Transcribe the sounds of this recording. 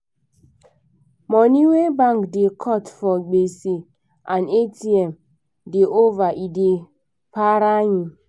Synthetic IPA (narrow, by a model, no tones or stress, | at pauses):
mɔniwebaŋkdɪkʰɔtfɔɡ͡besi | anetiɛm | dɪʔovaʔidi | paɾaɲi